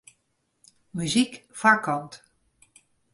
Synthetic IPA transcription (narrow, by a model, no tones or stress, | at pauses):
myzikfakɔnt